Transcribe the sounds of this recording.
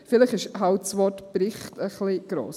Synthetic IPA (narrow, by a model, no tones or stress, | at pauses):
fɪləχɪʃɦawtsʋɔtb̥ɾɪχtəχliɡ̥ɾo̰ːs